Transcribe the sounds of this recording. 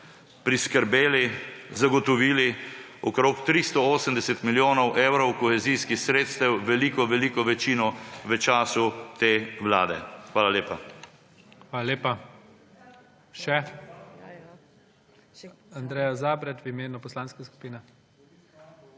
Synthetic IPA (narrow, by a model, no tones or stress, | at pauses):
pɾiskəɾbeːlizaɡɔt̪ɔʋiːli | ɔkɾoːkt̪ɾist̪ɔoːsəmd̪ɛsɛt̪miljoːnɔwʔeːwɾɔwkɔxɛziːskixsɾeːt̪st̪ɛwʋɛliːkɔʋɛliːkɔʋɛt͡ʃiːnɔʋət͡ʃaːsut̪eːʋwla̰ːd̪ɛ̰xʋaːlaleːpa | xʋaːlaleːpa | ʃɛ | and̪ɾɛːjazaːbɾɛt̪ʋimeːnupɔslaːnskasku̥piːnɛ